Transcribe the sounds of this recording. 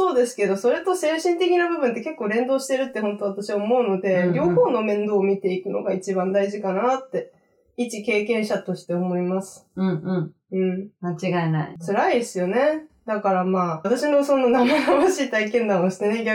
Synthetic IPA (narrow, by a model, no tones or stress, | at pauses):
o̞ːd̪e̞sɨ̥ke̞d̪o̞so̞ɾe̞t̪o̞se̞ːɕĩnt̪e̞kʲinabɯ̟bɯ̟̃nt̪̬ːe̞ke̞kːoːɾẽ̞nd̪o̞ːɕi̥t̪eɾɯ̟t̪ːe̞hõ̞nt̪o̞βat̪aɕiaomo̞ɯ̟no̞d̪e̞ɾʲjo̞ːho̞ːno̞mẽ̞nd̪o̞ːmʲit̪e̞ikɯ̟no̞̰ɡait͡ɕibãnd̪aiʑikanat̪ːe̞ | it͡ɕike̞ːkẽ̞ɰ̃ɕat̪o̞ɕi̥t̪e̞omo̞imasɨ̥ɯ̟̃ | ɯ̟̃ːɴmat͡ɕiɡaena̰it͡sɨɾaisɨjo̞ne̞d̪akaɾamaːt̪aɕino̞so̞no̞namanaβaɕiːt̪aikẽ̞nd̪ãoɕi̥t̪e̞neɡʲa